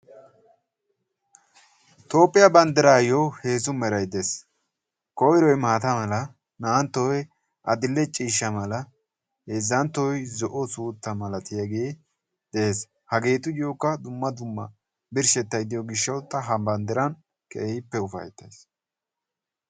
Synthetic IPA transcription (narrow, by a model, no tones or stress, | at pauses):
t̪o̞ːpʼːɪjɐbɐnd̪ɛɾaːjowhe̞ːzʊmɛɾɐjd̪es | kɔwɪɾɔjmaːt̪ɐmɐlɐ | naːnt̪ːɔj | ʔɐd̪ɪlːɛt͡ʃʼiːʃːɐmɐlɐ | heːzːɐnt̪ːɔjzɔʔɔsuːt̪ːɐmɐlɐt̪ɪjɐɡeː | d̪̥ɛeːs | hɐɡe̞ːt̪ʊdɪjoːkːɐd̪ʊmːɐd̪ʊmːɐ̰ | bɪɾʃɛt̪ːɐjd̪ɪjɔɡɪʃːɐwt̪ːɐɦɐbɐnd̪ɛɾɐn | kḛjɪpːɛʊfɐ̰jt̪ːɐs